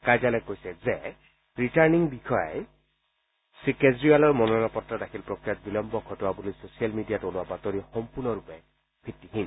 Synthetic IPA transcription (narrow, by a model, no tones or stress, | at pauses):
kajd͡ʒalɔkojsɛzɛ | ɹitaɹniŋbikʰɔjaj | sikezɹialɔɹmɔnɔnapɔtːɹadakʰilpɹɔkɹijat̚bilɔmbɔkʰɔtʊwabulisosijalmidijatolʊwabatɔɾixɔmpuɹnɔɹupɛ | pʰitːiɦin